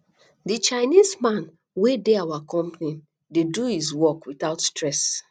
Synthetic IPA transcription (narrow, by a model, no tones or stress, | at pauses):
dit͡ʃaɪnizmãn | wedeawakɔ̃mpnĩn | deduhizwɔkwitaʊtstɹɛs